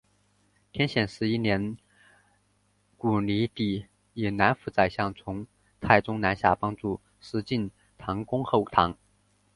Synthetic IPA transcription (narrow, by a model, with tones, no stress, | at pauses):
t̪ʰjɛ˥nɕjɛ˨˩nʂɻ̩˧˥i˥njɛ˧˥n | ku˨˩li˧˥t̪i˨˩ | ji˨˩na˧˥nfu˧˥t͡sa˨˩ɪɕjɑ˥˩ŋt͡sʰʊ˧˥ŋ | t̪ʰa˥˩ɪʈ͡ʂʊ˥ŋna˧˥nɕja̰˥˩pɑ˥ŋʈ͡ʂu˥˩ | ʂɻ̩˧˥t͡ɕi˥˩n | t̪ʰɑ˧˥ŋkʊ˥ŋxo˥˩ʊt̪ʰɑ˧˥ŋ